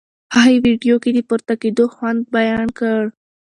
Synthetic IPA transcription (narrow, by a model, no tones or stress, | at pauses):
aiwiɖijoked̪əpuɾt̪aked̪oxwand̪̚bajɑnkəɽ